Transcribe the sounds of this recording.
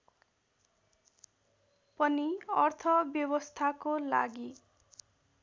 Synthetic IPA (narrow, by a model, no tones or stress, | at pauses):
pʌniʌrt̪ʰʌbjʌbʌst̪ʰakola̰ɡi